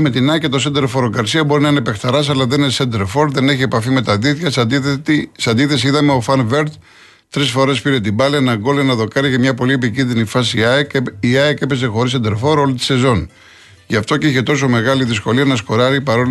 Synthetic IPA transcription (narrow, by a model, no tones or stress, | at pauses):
me̞t̪inɐce̞t̪o̞send̪eɾfo̞ɾoɡɐɾsiɐbo̞ɾinɐinepe̞xt̪ɐɾɐsɐlɐðenesend̪eɾfo̞ɾðe̞ne̞çie̞pɐfime̞t̪ɐðiθçɐs | seɐnd̪iθe̞siiðɐmeo̞fɐnve̞ɾt̪ | t̪ɾisfo̞ɾe̞spiɾe̞t̪̬ibɐlenɐɡo̞lenɐðo̞kɐɾiʝɐmɲɐpo̞liep̬icinðinifɐsiiɐeke̞pe̞sexo̞ɾisend̪e̞ɾfo̞ɾo̞lit̪i̥se̞zo̞n | ʝɐft̪o̞ceiçe̞t̪o̞so̞me̞ɣɐliðisko̞liɐnɐsko̞ɾɐɾipɐɾo̞l